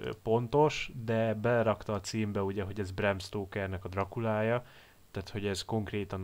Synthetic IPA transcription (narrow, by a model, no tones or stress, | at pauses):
po̞nt̪o̞ʃd̪ɛbɛlɛɾɒkt̪ɒːt̪siːmbɛuɟɛɦo̞ɟɛzbrɛmst̪oːkɛrnɛkɒd̪rɒkulaːjɒ | t̪aːt̪ho̞ɟɛzko̞ŋkreːt̪ɒn